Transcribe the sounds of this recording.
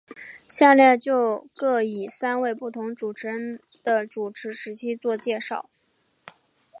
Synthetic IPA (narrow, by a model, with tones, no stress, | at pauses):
ɕja˥˧ljɛ˥˧t͡ɕjo˥˧ʊkɤ˥˩i˨˩sa˥nwe˥˧ɪpu˥˩t̪ʰʊ˧˥ŋʈ͡ʂu˨˩ʈ͡ʂʰɻ̩˧˥ə˥n | d̪̥ə˧ʈ͡ʂu˨˩ʈ͡ʂʰɻ̩˧˥ʂɻ̩˧˥t͡ɕʰi˥t͡swɔ˥˧t͡ɕjɛ˥˧ʂɑ̰˥˩ʊ